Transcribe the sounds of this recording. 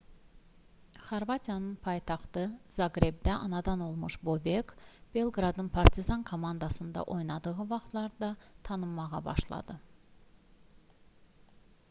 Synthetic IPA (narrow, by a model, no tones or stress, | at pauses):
χɑɾvɑt̪ʰijɑnɯnpʰɑjt̪ʰɑχt̪ɯzɑɡɾe̞bd̪æʔɑnɑd̪ɑno̞lˠmuʃbobekb̥e̞lˠɡɾɑd̪ɯnpʰɑɾt̪ʰizɑnkʰo̞mɑnd̪ɑsɯnd̪ɑ̰ʔo̞jnɑd̪ɯʁɯvɑχt̪ʰlˠɑɾd̪ɑt̪ʰɑnɯmːɑʁɑ̰bɑ̰ʃlˠɑ̰d̪ɯ